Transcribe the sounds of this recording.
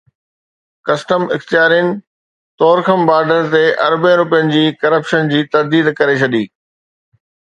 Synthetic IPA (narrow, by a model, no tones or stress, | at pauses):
kɐsʈəmɪxt̪ijaːɾijənɪ̆ | t̪ɔːɾxəmbaːɾɖəɾt̪eʔɐ̰ɾbẽɾʊpijənɪ̆d͡ʑiːkɐɾəpʃənd͡ʑiːt̪ɐɾd̪iːd̪kɐɾet͡ɕʰɐɗiː